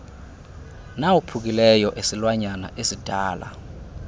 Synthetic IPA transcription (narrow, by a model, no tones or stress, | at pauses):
nawupʰuk̬ilɛjɔʔesilwaɲana̰ʔesid̥ʱaːlʔa̰